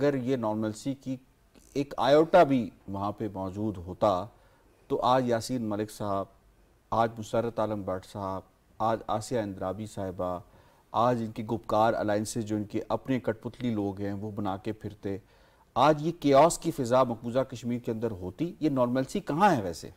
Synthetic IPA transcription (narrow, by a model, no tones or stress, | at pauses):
ɐɡəɾjenɔːɾməlsiki | eːka̰ːjoːʈabʱiʋɐɦãpemɔːd͡ʒuːd̪ɦoːt̪a | t̪oʔaːd͡ʒjaːsiːnmɐlɪksaɦb̚ | aːd͡ʒmʊsəɾət̪aːləmbɛːʈʰsaɦəb̚ | aːd͡ʒa̰ːsijaɪ̃nd̪ɾaːbisaːɦɪba | aːd͡ʒɪnkeɡʊpkaːɾɛ̰laːɪnsed͡ʒoːɪnkeʔɐpnekɐʈ̚pʊt̪liloːɡɦɛ̃ʋobɐnaːkepʰɪɾt̪e | aːd͡ʒjekeːɔːskifɪzamɐkuːzakɐʃmiːɾkeɐ̃nd̪əɾɦoːt̪ijenɔːɾməlsikɐɦãɦɛʋɛːsḛː